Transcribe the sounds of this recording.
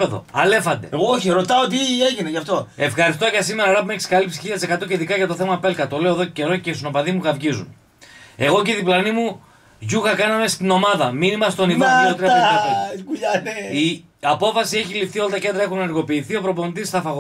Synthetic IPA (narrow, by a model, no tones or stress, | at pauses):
e̞ðo̞̰ɐle̞fɐnd̪e̞̰oçiɾo̞t̪ɐot̪̬ieʝineʝɐft̪o̞e̞fxɐɾist̪ocɐsime̞ɾɐɾɐpumeeksi̥kɐlipsi̥çiʎɐt̪ise̞kɐt̪o̞ceiðikɐʝɐt̪o̞θe̞mɐpe̞lkɐt̪o̞le̞o̞eðo̞cece̞ɾocest̪inopɐðimuɣɐvʝizṵn | e̞ɣo̞ciðiplɐnimu | ʝuxɐkɐnɐme̞st̪ino̞mɐðɐminimɐst̪o̞nimoiot̪ɾiɐɐt̪okuʎɐnei | ɐpo̞fɐsie̞çilift̪iolɐt̪ɐce̞nd̪ɾɐe̞xunenɐɾɣo̞piːθiopɾo̞pont̪ist̪ɐfɐɣo